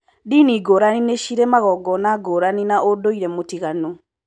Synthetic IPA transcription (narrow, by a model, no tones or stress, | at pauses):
diniɡoɾanineʃiɾemaɣɔɡɔnaɡoːɾaninaʔodoiɾɛmotiɣano